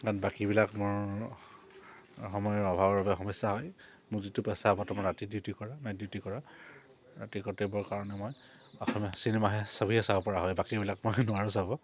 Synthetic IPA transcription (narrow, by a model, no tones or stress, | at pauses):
kanbakibilakmʊɹ | xɔmɔjɔɹɔbʱabɔɹbabɛxɔmɔjsːaɦɔj | mʊɹzitʊpɛsabɔtɔmɔɹatidiutikɔɹanajdiʊtikɔɹa | ɹatikɔtebɔɹkaɹɔnɛmoj | ɔxɔmjɔsinɛmaɦɛsabʱiɦɛsabɔpɔɹaɦɔjbakibilakmojnʊaɹʊsabɔ